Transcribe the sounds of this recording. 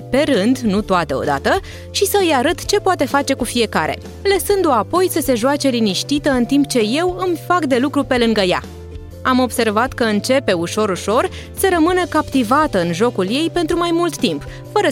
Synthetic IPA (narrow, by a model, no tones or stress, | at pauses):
pe̞ɾɨnd̪nut̪oat̪əo̞̰d̪a̰t̪ə | ʃisəɨjaɾət̪t͡ʃe̞poat̪e̞fat͡ʃe̞kufije̞kaɾe̞̰ | ləsɨnd̪oapo̞jsəse̞ʒoat͡ʃe̞liniʃt̪it̪əɨnt̪imp̚t͡ʃe̞je̞wɨmfakd̪e̞lukɾupe̞lɨŋɡəja̰ | amo̞bse̞rvat̪kəɨnt͡ʃe̞pe̞uʃo̞ɾuʃo̞r | səɾəmɨnəkapt̪ivat̪əɨnʒo̞kulje̞jpe̞nt̪ɾumajmult̪ːimp | fəɾə